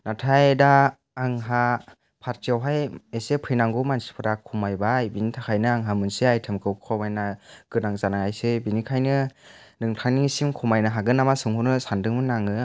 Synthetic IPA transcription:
natʰajdaː | ŋɦa | pʰaɾtiawɦajesepʰɯjnaŋɡumansi̥pʰɯɾakʰumajbajbinitʰakʰajnɯaŋɦamɯnseajtʰɯmkʰɯwkʰɔwmajnaɡ̥ɯnaŋzanaŋajsɯbinikʰajnɯnɯŋtʰaŋniŋisimkʰumajnaɦaɡɯnamasɯŋhunɯsandɯŋmɯnːaŋɯ

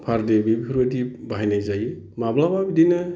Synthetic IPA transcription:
pʰaɾdebibikʰɯɾədibaɦajnajzaj | mablababidinɯ

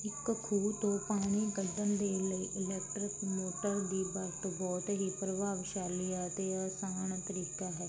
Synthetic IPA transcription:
ɪkkʰuːt̪õːpaːɽ̃iːɡəd̪əmd̪eːləiːʔɪlɛːk̚ʈɾɪkmoːʈəɾd̪iːbəɾt̪bɔːt̪ɦiːpɾəʋaːʋʃaːlijaːt̪eːəsaːɳt̪əɾiːkaːɦɛː

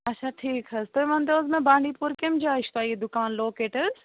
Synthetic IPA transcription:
ɐtːʃʰaʈʰiːkɦɐzt̪oimɐ̃nd̪ozmẽbaːɳɖiːpuɾkɪmd͡ʒaːɪʃt̪aːied̪ʊkaːnloːkeːʈəɾz

